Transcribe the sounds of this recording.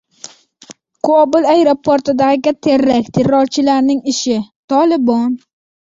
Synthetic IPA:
qʰobʊlˠajɾopʰoɾt̪ɪd̪aʁɡʲat̪ʰeɾːakʲt̪ʰeɾːɒɾt͡ʃʰɪlaɾnɪŋɪʃɪt̪ʰɒlɪbɒn

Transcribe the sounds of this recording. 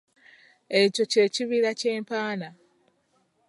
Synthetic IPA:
e̞co̞ce̞ːciβiɾace̞ːmpaːna

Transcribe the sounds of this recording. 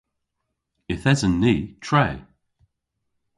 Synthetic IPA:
ɪθɛzənːiːtʰɹ̥eɪ

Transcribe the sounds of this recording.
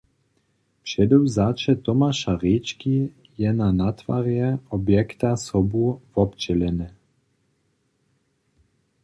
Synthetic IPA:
pʂɛd̪uwzat͡ʃɛt̪ɔmaʃaʁit͡ʃki | jɛnanat̪va̰ɾjɛɔbjɛkt̪asɔbuvɔpt͡ʃɛlɛnɛ

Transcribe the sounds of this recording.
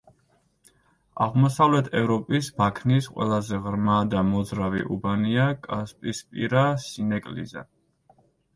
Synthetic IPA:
a̰ʁmɔsavlɛt̪ʰɛvɾɔpʼisbakʰnisqʼwɛ̰lˠazɛʁɾmad̪amɔzɾavḭʔubaniakʼaspʼispʼḭɾasinɛkʼlḭza̰

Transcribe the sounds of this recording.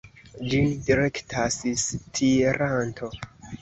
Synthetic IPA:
d͡ʒindiɾektʰasistʰieɾantʰo̞

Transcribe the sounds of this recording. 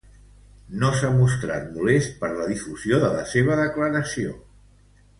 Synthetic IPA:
nosamust̪ɾa̰t̪̚mules̚pəɾləðifuzioðələseβ̞əðəkləɾəsio

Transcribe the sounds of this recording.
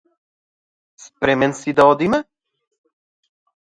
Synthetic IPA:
spɾɛmɛnsid̪aɔd̪imɛ

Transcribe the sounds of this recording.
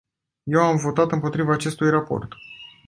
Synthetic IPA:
je̞wamvo̞t̪at̪ɨmpo̞t̪ɾivaːt͡ʃe̞st̪ujrapo̞̰rt̪

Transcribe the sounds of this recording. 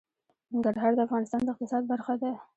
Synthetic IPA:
nɪŋɡaɾɦɑɾd̪əafɣɑnɪst̪ɑnd̪əɪq̚t̪ɪsɑd̪̚baɾxad̪a

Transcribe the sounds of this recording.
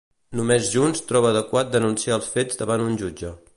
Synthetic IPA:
numezʒunst̪ɾɔβəːðəkwat̪̚d̪ənunsiaːlˠsfed͡zd̪əβanunʲʒud͡ʒə

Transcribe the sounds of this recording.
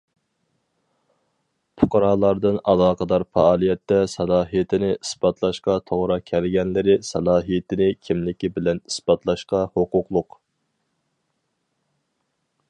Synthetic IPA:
pʰʊqʰɑɾɑːlˠɑɾd̪ɨnɑ̰lˠɑːqʰəd̪ɑɾfɑːlˠijɛt̪ːɛsɑlˠɑːɦijɪt̪ʰɪnɪisbɑt̪ʰlˠɑʃqɑt̪ʰoʁɾɑkʲʰɛɾɡʲɛnlɪɾɪsɑlˠɑːɦijɪt̪ʰɪnɪkʲʰimlɪkʲibɪlɛnisbɑt̪lˠɑʃqɑhoqʊqlˠʊq

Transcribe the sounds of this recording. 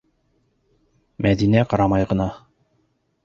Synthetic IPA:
mʔæðinæqɑɾɑmɑjʁɤ̆nɑ

